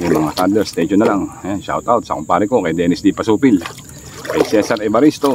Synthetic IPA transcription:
juŋmɐŋat̪and̪lɛɾst̪ɛʃonːɐlaŋɛʃa̰wt̪awt̪̚sɐkʊmpaːɾɪko̞kɐjd̪ɛnɪsd̪ipɐsuːpɪl | kɐjsɛsɐɾɛbɐɾist̪o̞

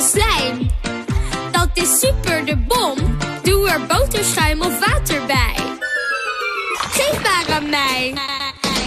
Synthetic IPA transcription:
slɛjn | dɑt̚dəsypəɹdəbɔmduəɹbowtəsχœɥmɔfʋaːtəɹbɛj | χɪkbaːkanmɛj

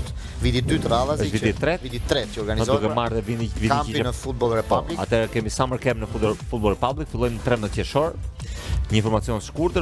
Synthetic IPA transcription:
vid̪id̪yt̪ɾalˠazəʃvit̪it̪ːɾɛvit̪it̪ːɾɛəɔɾɡanizɔukɛmaɾðɛvivit̪iamiinəfut̪̚bɔlˠɾɛpɔlia̰t̪ɛɾɛkɛmisaməɾkɛmnəfuɔfut̪̚bɔlˠɾɛpablikfilˠɔjmnət̪ɾɛmət̪jɛʃɔɾ | ɲəinɱfɔɾmat͡siɔnskuɾd̪ə

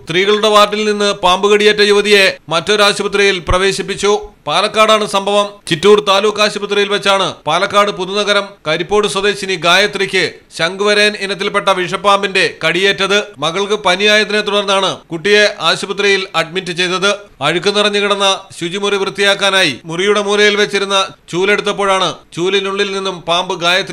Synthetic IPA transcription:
st̪riːɣɐɭuɽe̞ʋaːrʈːilninːɨpaːmbɨɣɐɽije̞ːtːɐjuʋɐðije̞mɐtːo̞ɾuaːɕɐbɐt̪rijilprɐʋe̞ːɕipːit͡ɕːupaːlɐkːaːɽaːɳɨsɐmbʱɐʋɐmt͡ɕitːuːrt̪aːluːkːaːɕɐbɐt̪rijilʋɐt͡ɕːaːɳɨpaːlɐkːaːɽɨpuðunɐɣɐɾɐmkɐɾipːo̞ːɽɨsɐd̪e̞ːɕiniɡaːjɐt̪rikʲːɨ | ɕɐŋɡɨʋɐɾeːninɐt̪̬ːilpe̞ʈːɐʋiʂɐpːaːmbinde̞kɐɽije̞ːtːɐðɨmɐɣɐɭkɨpɐnijaːjɐt̪ɐnet̪uɽɐrnːaːɳɨkuʈːije̞ʔaːɕɐbɐt̪rijilɐɖ̚mitːɨt͡ɕe̞jt̪ɐðɨɐɻukʲːunːirɐɲːuɣiɽɐnːɐɕud͡ʑimuriʋrɨt̪ːijaːkːaːnaːjimurijuɽe̞muːrɐjilʋet͡ɕːiɾunːɐt͡ɕuːle̞ɽut̪̬ːɐp̬ːoːɻaːɳɨt͡ɕuːlinuɭːilninːumpaːmbɨɡaːjɐt̪r

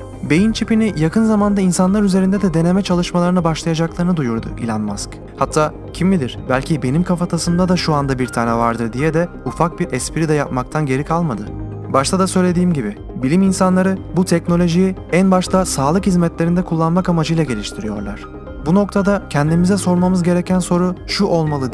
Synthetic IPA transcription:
be̞jint͡ʃʰipinijakʰɯnzamand̪ainsanlˠaɾyze̞ɾind̪ɛd̪ɛd̪e̞ne̞mɛt͡ʃʰalˠɯʃmalˠaɾɯnabaʃlˠajad͡ʒaklˠaɾɯnɯd̪ujuɾd̪ʊ̰ʔḭlʲanmask | hat̪ʰːaː | cʰimmid̪iɾ̥bælʲcʰibe̞nimkʰafat̪ʰasɯmd̪ad̪aʃuand̪abiɾt̪ʰaːnɛvaɾd̪ɯɾd̪ijɛd̪ɛ | ufak̚biɾʔɛspiɾid̪ɛjapmak̚t̪ʰanɟe̞ɾikʰalˠmad̪ɯ | baʃt̪ʰad̪asø̞jlʲe̞d̪iːmɟibi | bilʲiminsanlˠaɾɯbut̪ʰɛcno̞lʲo̞ʒijiænbaʃt̪ʰasaːlˠɯkhizmɛt̪lʲeɾind̪ɛkʰulˠːanmakamad͡ʒɯjlˠaɟe̞lʲiʃt̪ʰiɾijo̞̰ɾlˠa̰ɾ̝̥ | buno̞k̚t̪ʰad̪acʰɛnd̪imizɛso̞ɾmamɯzɟe̞ɾecʰænso̞ɾuʃuʔolˠmalˠɯd̪

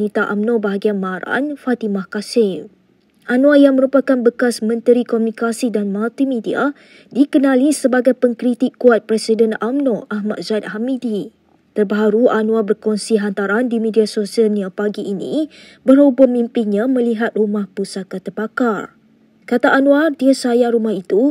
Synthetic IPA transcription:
nit̪aʔa̰mnɔ̃baɦaɡianmaɾa̰nfat̪imahkasɪl | ʔanũajaŋməɾupakanbəkasmə̃nt̪əɾikɔmunikasidanmalt̪imidia̰ | dikənãlisəbaɡajpəŋkɾit̪ikːuat̪̚pɾɛsidənamnɔ̃ʔaɦma̰t̪̚zat̪̚hamidi | t̪ərbaɦaɾuanũabərkɔnsiɦant̪aɾandimidiasosialnãpaɡiʔːnḭ̃bərhobəmimpinɲãmə̃liɦat̪̚rumahpusakat̪ərpakar | kat̪aʔːnũadiəsajaɾumahit̪u

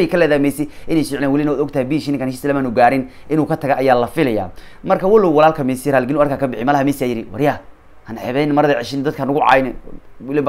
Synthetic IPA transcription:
jkʰɐlɛːðaːmɛːsɪʔɪnɛːjsɪʕlɛːnwɐlɪnɐwaːd̪ɔɡ̚t̪ʰɐhɛjbiːʃinɪŋkaːnʃɪsɐlɐmaːnuɡaːɾɪn | ʔɪnuːkʰɐt̪ʰɐɣʔɐjaːlɐfɪlɐja̰ː | mɐrkʰɐwɐlɔwwɐlaːlkʰɐmɛsiɾaːlɡɪnuːɐrkʰaːkʰɐbɪħɪmɐlɐhɐmɛːsiaːjɪɾɪwɐ̰ɾja | hɐnħɛβɛjnmɐɾɐðɐʕɪʃɪnd̪ɐd̪̚kʰanʊɣʊʕɑ̰ːjnɛ | wɪlɪb

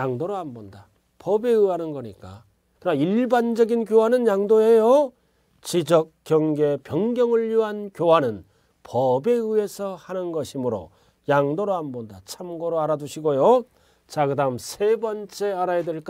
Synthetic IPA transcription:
jaŋdoɾohambonda | pʌbe̞ɯɦanɯnɡʌɲik͈a | kɯnaiɭband͡ʑʌɡinkjoɦanɯnjaŋdoe̞jo | t͡ɕid͡ʑʌk̚k͈jʌŋɡe̞pjʌŋɡjʌŋɯɭjuɦankjoɦanɯn | pʌbe̞ɯe̞sʰʌhanɯnɡʌɕʰimɯɾo̰ | jaŋdoɾohambondat͡ɕʰamɡoɾoaɾaduɕʰiɡojo | t͡ɕaɡɯdaɯmsʰe̞bʌnt͡ɕ͈e̞aɾajedweɭk͈

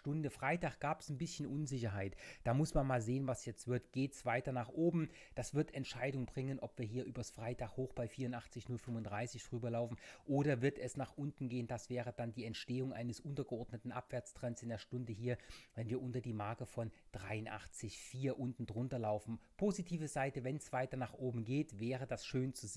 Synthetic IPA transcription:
tʊndəfʁ̥aɪtaːχɡ̥aːpɛsn̩bɪsçn̩ʔʊnzɪçɐɦaɪtd̥aːmʊsmanmaːlzeːənvasjɛt͡stv̥ɪɐtɡ̥eːtsv̥aɪtɐnaːχʔoːbm̩ | d̥asv̥ɪɐtɛntʃaɪdʊŋbʁɪŋənʔɔpv̥iːɐɦiːɐʔyːbɐsfʁ̥aɪtaːχhoːxb̥aɪfiːɐʊntʔaχt͡sɪçnʊlfʏmʊndʁaɪsɪçd̥ʁ̥yːbɐlaʊfn̩ʔoːɾɐvɪɐtɛsnaːχʔʊntn̩ɡeːəndasv̥ɛːʁ̞əd̥andiːɛntʃteːʊŋʔa̰ɪnəsʔʊntɐɡəɔɐdnətn̩ʔa̰pv̥ɛɐt͡stʁ̥ɛnsɪndeːɐʃtʊndəɦiːɐvɛnviːɐʔʊntɐdiːmaɐkəfɔnd̥ʁaɪʊnʔa̰χt͡sɪçfiːɐʔʊntn̩dʁʊntɐlaʊfn̩pʰoːzitʰiːvəzaɪtəvɛnsv̥aɪtɐnaːχʔoːbm̩ɡeːtvɛːʁ̞ədasʃøːnt͡su

